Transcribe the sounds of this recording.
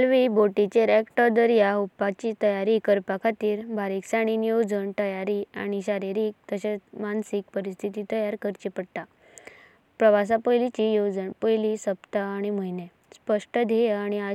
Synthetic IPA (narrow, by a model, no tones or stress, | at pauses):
lʋibʱoʈit͡ɕeɾɛkʈɔɾd̪əɾjaupːat͡ɕiːt̪əjaɾikəɾpakʰat̪iːɾbʱaɾiksaɽ̃inijod͡zəɳt̪əjaɾia̰ɽ̃iɕaɾiɾiːk̚t̪əɕamansik̚pəɾist̪ʰit̪iːt̪əjaɾkəɾt͡ɕipəɽʈ̪a | pɾəʋas̬apəjlit͡ɕijod͡zənpəjlisəpt̪aːɽ̃iməine | spəʂʈəd̪ʱeaɽ̃ia